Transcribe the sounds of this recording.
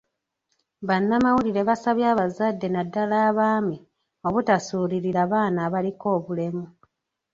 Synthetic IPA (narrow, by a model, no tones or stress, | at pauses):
βanːamawuliɾe̞βasaβjaːβazadːe̞nadːalaːβaːmi | o̞βutasuːɾiɾiɾaβaːnaːβaliko̞ːβule̞mu